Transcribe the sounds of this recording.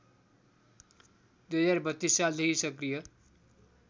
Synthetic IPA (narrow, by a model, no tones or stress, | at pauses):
d̪ujɦʌd͡zarbʌt̪ːissald̪ʌɦisʌkrijʌ